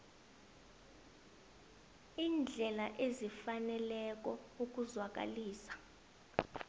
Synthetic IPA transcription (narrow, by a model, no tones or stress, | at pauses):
iːnd͡ɮʱɛlaʔezifanɛlɛk̬ɔuk̬ʼuzwak̬ʼa̰liːsḁ